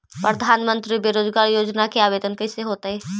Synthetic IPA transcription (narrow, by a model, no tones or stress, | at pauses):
pɾəd̪ʱaːnmə̃nt̪ɾibeɾoːd͡ʒɡaːɾjoːd͡ʒnakeaːbeːd̪ənkɐseɦoːt̪aɦɛː